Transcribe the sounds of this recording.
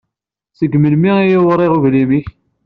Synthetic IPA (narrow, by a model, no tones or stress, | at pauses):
səɡməlmiijiwɾˤeʁuvlimiç